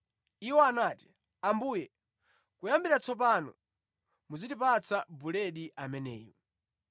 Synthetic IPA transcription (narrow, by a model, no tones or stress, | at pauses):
iwɔanaːti̥ | ambuːjɛ | kujambiɾat͡sɔp̬anɔ̰ | muzidipat͡sabulɛɗiʔamɛnɛ̰ːjɔ